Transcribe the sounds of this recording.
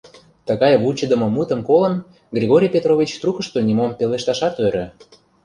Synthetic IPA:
t̪əɣɑjβut͡ɕə̆d̪ə̆mŏmut̪ə̆mkolə̆n | ɡrʲiɣoɾʲijpʲet̪rovʲit͡ɕt̪rukə̆ʃt̪onʲimompeleʃt̪ɑʃɑt̪øɾø

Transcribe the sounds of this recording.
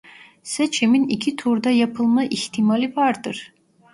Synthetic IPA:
set͡ʃʰiminicʰit̪ʰuɾd̪ajapʰɯlˠmaʔiçt̪ʰimalʲivaɾd̪ɯɾ̥

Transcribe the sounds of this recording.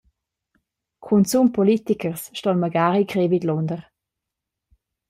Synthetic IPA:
kʰunsumpʰɔlit̪ikəʁsʃtɔlməɡaːʁikʁevidlɔndəʁ

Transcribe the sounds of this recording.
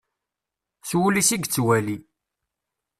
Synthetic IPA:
swulisiɡt͡sːwæli

